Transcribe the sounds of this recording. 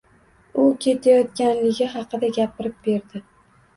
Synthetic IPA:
ʊkʲʰe̞t̪ʰajɒt̪kʲanlɪɡʲɪɦɑqʰɨd̪aɡʲapʰɪɾɪp̚b̥e̞ɾd̪ɪ

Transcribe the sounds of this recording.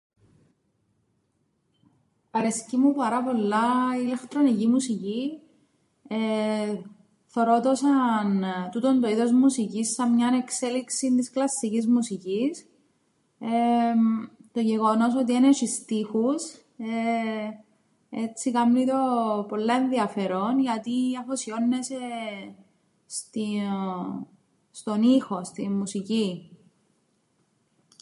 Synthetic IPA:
ɐɾescimupɐɾɐpo̞lːɐilext̪ɾo̞nicimusici | e | θoɾot̪osɐnt̪ut̪ond̪o̞iðo̞zmusicisːɐmɲɐnekse̞liksint̪isklɐsːicizmusicis | e | t̪o̞ʝe̞ɣo̞no̞so̞t̪̬ieneʃist̪ixus | e | e̞t͡sːikɐmnit̪o̞po̞lːɐenðiɐfe̞ɾo̞nʝɐt̪iɐfosio̞nːese | st̪i | st̪o̞nixo̞st̪imːusici

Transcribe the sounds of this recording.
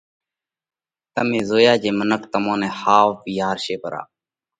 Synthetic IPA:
t̪əmẽːzoːjaːd͡ʒeːmənəkt̪əmõːnɛ̃ːhaːʋpiːaːɾʃeːpəɾa̰ː

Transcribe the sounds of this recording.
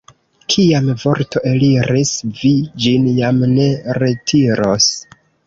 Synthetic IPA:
kʰiamvo̞ɾto̞ʔe̞liɾisvid͡ʒinjamne̞ɾe̞tʰiɾos

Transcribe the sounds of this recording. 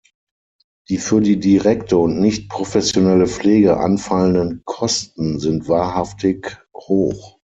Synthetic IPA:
d̥iːfyːɐdiːdiʁɛktʰəʊntnɪçt̚pʁ̥ofɛsjonɛləfleːɡəʔa̰nfaləndənkʰɔstn̩zɪntv̥aːɐɦaftɪkhoːχ

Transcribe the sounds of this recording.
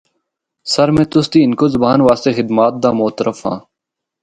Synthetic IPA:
sɐɾmẽːt̪ʊst̪iːɪnkozɐbaːnʋaːst̪exɪd̪maːt̪̚d̪aːmoːt̪əɾəfhã̰ː

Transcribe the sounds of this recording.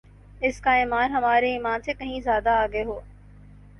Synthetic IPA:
ɪskaɪːmaːɾɦɐmaːɾeiːmaːnt̪ekɐ̃ɦĩzjaːd̪aːɡeɦoː

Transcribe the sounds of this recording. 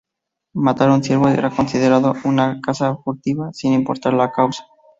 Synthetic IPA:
mat̪aɾunθje̞ɾβoeɾako̞nsiðeɾaðounakasafuɾt̪iβasinimpo̞̰ɾt̪aɾlakawsḁ

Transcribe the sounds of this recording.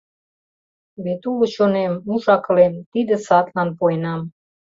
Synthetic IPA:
βet̪ulət͡ɕonemːuʃɑkəlent̪id̪ə̆sɑt̪lɑnpoenɑm

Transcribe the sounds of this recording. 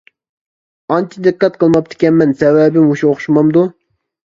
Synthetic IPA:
ɑnt͡ʃʰid̪ɨqːɑt̪qʰəlˠmɑp̚t̪ʰɪ̥kʲɛnmɛnsɛwɛbɪmuʃuoχʃmɑmd̪u

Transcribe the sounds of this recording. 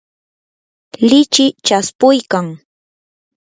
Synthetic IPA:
lɪt͡ʃɪt͡ʃaspʊjkaŋ

